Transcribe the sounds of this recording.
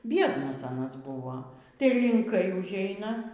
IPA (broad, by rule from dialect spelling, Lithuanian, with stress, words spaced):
ˈbʲiɛdnɐs ɐˈnɐs ˈbʊʋoː tɐɪ lʲɪŋˈkɐɪ ʊʒʲˈɛɪnɐ